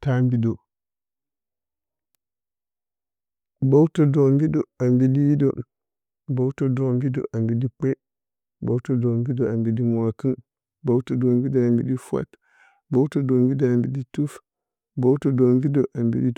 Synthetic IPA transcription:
ta˦mbi˦do˨ | bo˦wu˦to˨do˨mbi˦do˨a˨mbi˦di˦ji˦do̰˨ | bo˦u˦to˦do˨mbi˦do̰˨ʔa˨mbi˨di˦k͡pe˦ | bo˦wto˨do˨mɡi˦do˨a˨mbi˨di˦m˨a˨kə˦n | bo˦u˦to˨do˨mbi˦do˨a˨mbi˨di˦fʷa̰˦t | bo˦u˦to˨do˨mbi˦do˨a˨mbi˨di˦tu˦f | bo˦wto˨do˨mvi˦do˨ʔa˨mbḭ˨˦di˦

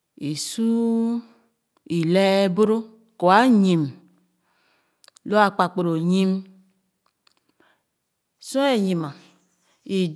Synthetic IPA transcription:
e˨su˦ | i˨lɛ˦bo˦ɾo˦ | ko˨a˦ɲĩ˨m | lo˦a˨k͡pa˨k͡po˨ɾo˨ɲi˦m | sõ˦e˨ɲi˨ma˨ | i˨

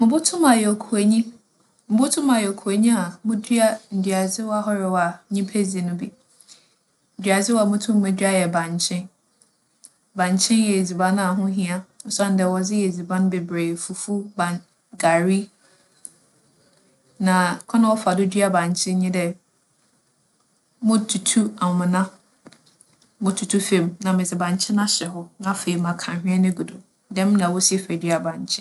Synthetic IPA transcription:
mʊ̃˨bʊ˦tʰʊ̃˦mã˨jɛ˨o˨kʰu˨e˨ɲĩ˦ | m̩˨˦bʊ˦tʰʊ̃˦mã˨jɛ˨o˨kʰu˨a˨ɲĩ˦a˨mʊ̃˦dɥa˦n̩˨dɥa˨d͡zɪ˦wa˦ɦɔ˦ɾɪ˨wa˨˦ɲĩ˦pʰe˦d͡zi˨nʊ̃˦bi˨ | n̩˨dɥa˨d͡zɪ˦wa˨mʊ̃˦tʰʊ̃˦mː˦ɛ̃˦dɥa˦jɛ˨bã˨ɲ˨t͡ɕʰɪ̃˦n | bã˨ɲ˨t͡ɕʰɪ̃˦njɛ˨e˨d͡zi˨bã˦n˦a˨ɦʊ̃˦ɦĩ˦a˦n̩˨sa˦˨n˨dɛ˨wɔ˨d͡zɪ˦jɛ˨d͡zi˨bã˦nʊ̃˦be˨bɾe˨fu˨fu˦bã˨ | ɡa˨ɾi˦ | nã˨kʰɔ˦nã˨wɔ˦fa˨dʊ˦dɥa˨bã˨ɲ˨t͡ɕʰɪ̃˦ɲɪ̃˦dɛ˨ | mʊ̃˦tʰu˨tʰu˦a˨m˨mɪ̃˨nã˦ | mʊ̃˦tʰu˨tʰu˦fẽ˨mnã˨mɪ̃˨d͡zɪ˨bã˨ɲ˨t͡ɕʰɪ̃˦nã˦ɕɛ˨ɦɔ˦nã˦fe˨i˨mã˨kʰã˨ɦᶣɪ̃˦ɛ˦nɪ̃˦ɡu˨dʊ˨ | dɛ̃˦m˦nã˨wɔ˦si˦ɛ˨fɛ˨dɥa˨bã˨ɲt͡ɕʰɪ̃˦

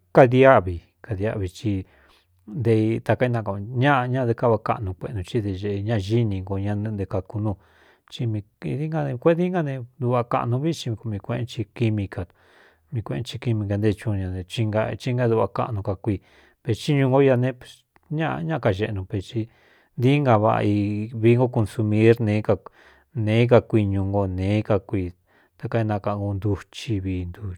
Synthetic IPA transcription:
ka˧ði˧a˦ʔβi˨ | ka˧ða˦ʔβi˧t͡ʃi˧ | nd̪e˧t̪a˧ka˧˦i˧˦nã˧ka˧˨˧ɲã˦˧ɲã˦˧d̪e˧ka˦βa˧ka̰˧ʔnũ˧kʷe˧nũ˧t͡ʃi˦d̪e˧ʒe˧ʔe˧ɲã˦˧ʒi˦nĩ˧ŋɡo˧ɲã˧nɨ̃˧d̪e˧ka˧ku˧nũ˧˨ | t͡ʃi˧mĩ˧ði˦ŋɡa˦˧ẽ˧kʷe˦˧i˦ŋɡa˦nẽ˧d̪u˧βa˧ka̰˧nũ˧˦βi˦t͡ʃĩ˧ko˧mĩ˧kʷẽ˧ẽ˧˦t͡ʃi˧ki˧mĩ˧ka˧ | mĩ˧kʷẽ˧ʔḛ˧˦t͡ʃi˧ki˧mĩ˧ka˧nd̪e˦˧t͡ʃũ˧ɲã˧nẽ˧t͡ʃi˧ŋɡa˧t͡ʃi˦ŋɡa˧˦d̪u˧βa˧ka̰˧ʔnũ˧ka˧kʷi˧ | pe˧st͡ʃi˦ɲũ˧ŋɡo˦ja˧nẽ˦pe˧˨s | ɲã˦ʔɲã˦ʔa˧ka˧ʒe˧ʔnũ˧pe˧t͡ʃi˧ | nd̪i˦ŋɡa˧βa̰˧i˧βi˧˦ŋɡo˦ko˧nsu˧mĩ˦ɾnẽ˨˦ka˧ | nẽ˨˦k̬a˧kʷi˧ɲũ˧ŋɡo˧nẽː˨˦ka˧kʷiː˧ | t̪a˧ka˧i˧nã˧ka˧ʔŋɡo˧nd̪u˧t͡ʃi˧βiː˧nd̪u˧

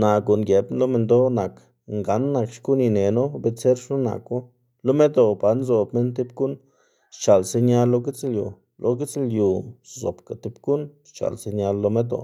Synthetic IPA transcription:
na˨ɡu˨nɡje˨blo˦me˧nd̪o˦na˨k | ŋɡa˨˦nːa˧kʃku˦ni˧ne˨no˦be˦t͡se˦ɾʂno˦na̰˨ku˦ | lo˦me˦d̪o˧ba˨˦nzo˨bme˦nt̪̬i˦b̚ɡu˦n | ʃt͡ʃa˨lse˧ɲa˧lːo˧ɡi˦t͡sljṵ˨ | lʔo̰˧ɡi˦t͡slju˨zo̰˨pka˨t̪i˦bɡu˦nʃt͡ʃa̰˨lse˧ɲa˧lːo˧me˦d̪o̰˨

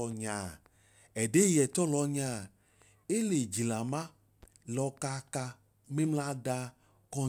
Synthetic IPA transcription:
ɔ˨ɲã˨ | ɛ˨ɖe˦jɛ˨t̪ɔ˦lɔ˨˦ɲã˨˦ | e˦le˨d͡ʒi˨la˨mã˦ | lɔ˨ka˦ka˦ | me˦mla˦da˦ | kɔ˦

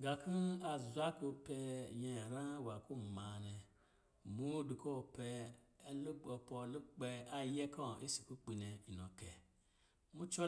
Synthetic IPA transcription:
ɡa˨ki˦a˨zu˨˦a˦ko˧pɛ˧jɛ̃˨ɾã˦˨wa˨ku˦˨ma˨nɛ˨ | mu˦du˨ko˦˨pɛ˧˦lu˦ɡ͡bɔ˨pɔ˨lu˦ɡ͡bɛ˧a˨jɛ˦kɔ̃˦˨ʔe˦si̥˨ku˦k͡pi˨nɛ˨i˨nɔ˨kɛ˨ | mu˦t͡ʃo˦

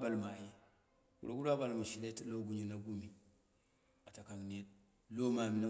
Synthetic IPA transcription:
ba˨lma˨je˦ | ɡṵ˨ɾo˨˦ɡu˦ɾo˦a˦ba˨lma˨ʃi˨le˦tlo˦ɡu˦ɲu˦na˨ɡu˦mi˨ | a˨ta˨ka˨ŋne˦ | lo˦ma˨mi˨na˦

